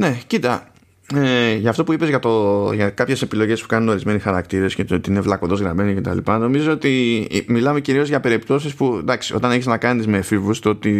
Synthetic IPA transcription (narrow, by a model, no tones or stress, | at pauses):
ne̞cit̪ɐ | eʝɐːft̪o̞puipe̞zʝɐt̪oʝɐkɐpçe̞se̞pilo̞ʝe̞spu̥kɐnuno̞ɾizme̞nisxɐɾɐkt̪iɾe̞scet̪ot̪iine̞vlɐkoðo̞zɣɾɐmenice̞t̪ɐ̰lḭpɐno̞mizzoot̪ḭmilɐme̞ciɾio̞zʝɐpe̞ɾipt̪o̞sispud̪ɐksio̞t̪ɐne̞çeznɐkɐnizme̞fivust̪o̞t̪i